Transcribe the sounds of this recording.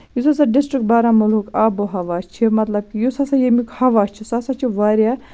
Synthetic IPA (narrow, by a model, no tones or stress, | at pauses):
jusas̬aɖisʈɾikbaːɾaːmɐlukaːboɦɐʋaːt͡ʃʰimɐt̪lɐb̚kijusasajemikhɐʋaːt͡ʃʰisasat͡ʃʰiʋaːɾʲja